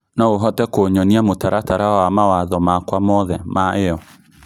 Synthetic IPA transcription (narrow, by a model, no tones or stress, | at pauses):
naoɦɔtɛkoɲɔniamotaɾataɾawamawaðɔmakwamɔðɛmaeɔ